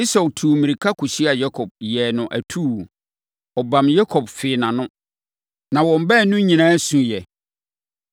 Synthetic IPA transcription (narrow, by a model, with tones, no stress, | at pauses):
i˦sa˨wtʰu˨mĩ˨ɾi˨kʰa˦kʰʊ˨ɕi˦a˨ja˦kʰɔ˨b̚jɛ˨nʊ̃˨ʔæ̰˨tʰu˦˨ | ɔ˨bã˨mja˦kʰɔ˨bfɪ˨nã˨nʊ̃˦ | nã˨wɔ̃˨m˨˦bɛ˦˨nʊ̃˦ɲĩ˨nãː˦sũ˨jɛ˨